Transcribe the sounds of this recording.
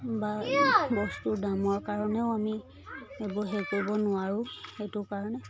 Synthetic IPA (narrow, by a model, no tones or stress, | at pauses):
baejbɔstʊdamɔɹkaɹɔnɛʊami | ebɔɦekoɹbɔnʊaɹʊ̃xetʊkaɹɔnɛ